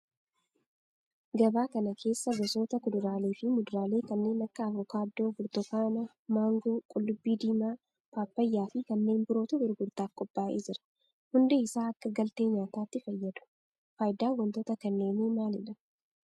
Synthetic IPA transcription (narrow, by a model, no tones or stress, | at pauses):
ɡɐbaːkɐnɐkʰe̞ːsːɐɡɐso̞ːt̪ɐkʊd̪ʊɾaːleːfɪmʊd̪ɾaːle̞ːkɐnːe̞ːnɐkːɐːvɔkaːd̪ːo̞ːfʊɾt̪ɔkaːnɐ | maːŋɡoːkʼʊlːʊbːiːd̪iːmaː | paːpːɐjːaːfɪkɐnːe̞ːmbʊɾo̞ːt̪ʊbɪɾɡʊɾt̪aːfkʼɔpːaːʔeːd͡ʒɪɾɐ̥ | hʊnd̪eɪsaːɐkːɐɡɐlt̪e̞ːɲaːt̪aːt̪ːɪfɐjːɐd̪ʊ̥ | fɐjd̪aːwɐnt̪oːt̪ɐkɐnːe̞ːniːmaːlɪᶑɐ